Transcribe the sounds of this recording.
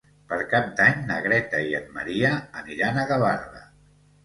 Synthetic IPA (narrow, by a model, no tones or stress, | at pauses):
pəɾkap̚d̪aɲnə̰ɣɾɛt̪əiəd̪̚mə̰ɾiəːniɾanəɣəβaɾlə̰